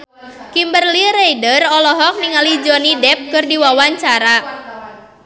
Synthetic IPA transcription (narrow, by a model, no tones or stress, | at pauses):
kimbərliɾejdərɔlɔɦɔk̚niŋalid͡ʒɔnidɛp̚kɨrdiwawaɲt͡ʃaɾa